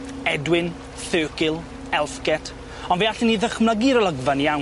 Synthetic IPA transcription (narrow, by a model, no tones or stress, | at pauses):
ɛdwɪn | θøːkɪlˠ | ɛlˠfɡɛtʰ | ɔnveːaɬiniðəχmlˠəɡɪɾəlˠəɡvanjaw